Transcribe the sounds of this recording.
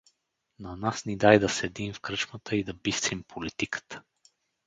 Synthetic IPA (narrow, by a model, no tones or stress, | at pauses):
nanasnid̪ajd̪ɐsɛd̪imfkɾət͡ʃmət̪ʰəid̪ɐbist̪vimpʰolit̪ikə̥t̪ə̥